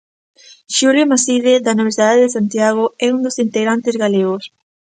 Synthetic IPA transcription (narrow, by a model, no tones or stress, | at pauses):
ʃuljomasiðeðanoβesiðaðeðesant̪jaɣoɛund̪osint̪eɣɾant̪ɪzɣaleɣos